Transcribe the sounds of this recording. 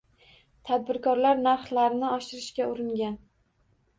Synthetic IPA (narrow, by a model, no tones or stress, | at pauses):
t̪ʰad̪̚bɪɾkʰɒɾlaɾnaɾχlaɾɪnɪɒʃɪɾɪʃkʲaʊɾɪŋɡʲan